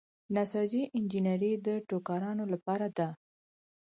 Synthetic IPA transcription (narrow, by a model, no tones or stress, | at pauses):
nasɑd͡ʒiʔɪnd͡ʒinaɾid̪əʈokɑɾɑnolapɑɾad̪a